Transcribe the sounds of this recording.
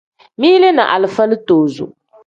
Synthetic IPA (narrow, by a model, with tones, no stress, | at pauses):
miː˦le˦na̰˨ʔa̰˨lɨ˨fa˦lɨ˦toː˨zṵ˨